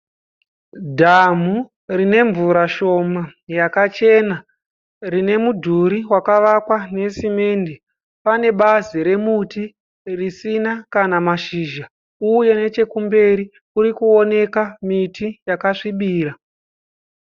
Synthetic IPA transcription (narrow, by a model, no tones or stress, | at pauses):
dʱamu | rine̞ɱvuɾaʃo̞majakat͡ʃe̞na | rine̞mudʱuɾiwakaʋakwane̞sime̞nde | pane̞ɓaziɾe̞muti | risinakanamaʃiːʒa | uje̞ne̞t͡ʃe̞kumbe̞ɾi | uɾikuo̞ne̞kamitʰijakaʂiɓiːɾa